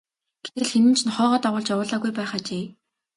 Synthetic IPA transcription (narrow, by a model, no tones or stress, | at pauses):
ɡ̥e̥t̪ɘ̆ɮxenɘ̆n̥t͡ɕʰnχɔːʁɔːt̪aʁwʊːɮt͡ɕawʊːɮaːɣujpæːχaːt͡ɕeː